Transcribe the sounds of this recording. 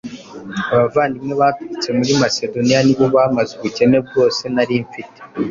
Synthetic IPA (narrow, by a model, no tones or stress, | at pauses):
aβavaːndimŋe̞βatuɾit͡se̞muɾimase̞do̞nijaniβoβamazuβuce̞ne̞b̚ɡo̞ːse̞naɾiɱfite̥